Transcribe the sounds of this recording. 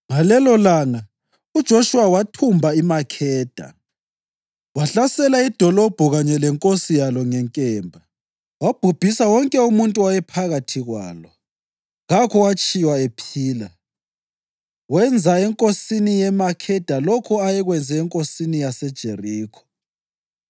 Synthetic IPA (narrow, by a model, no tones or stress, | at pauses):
ŋalɛlɔlaːŋa | ud̥ʒ̥ʱoʃuwawatʰumbʱaimakʰɛːd̥ʱa̰ | waɬasɛlaid̥ʱɔlɔb̥ʱɔɣaɲɛlɛŋkʼosijalɔŋɛŋkʼɛːmbʱa | wab̥ʱub̥ʱisawɔŋkʼɛumuntʼuwajɛpʰaɣatʰiɣwa̰ːlɔ | ɣakʰɔwat͡ʃʼiwaepʰiːla | wɛnd͡zʱaɛŋkʼosinijɛmakʰɛd̥ʱalɔkʰɔajɛɣwɛnd͡zʱɛːŋkʼosinijasɛd̥ʒ̥ʱeriːkʰɔ̥